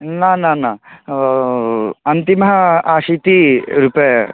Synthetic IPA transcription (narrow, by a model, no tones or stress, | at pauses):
naːnãːnã | ɐnt̪imɐɦɐaːʂit̪iɾuːpe